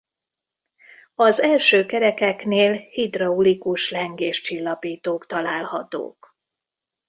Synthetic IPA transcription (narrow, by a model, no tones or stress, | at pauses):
ɒzɛlʃøːkɛɾɛkɛkneːlhid̪rɒulikuʃlɛŋɡeːʃt͡ʃilːɒpiːt̪oːkt̪ɒlaːlhɒt̪o̰ːk